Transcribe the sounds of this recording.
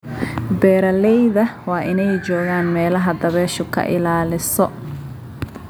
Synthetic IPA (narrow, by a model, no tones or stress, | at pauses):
bɛːɾɐlɛjðɐwɑːʔɪnɛjt͡ʃɔːɣaːnmɛːlɐɦɐd̪ɐβɛːʃʊkʰɐ̰ʔɪ̰laːlɪsɔ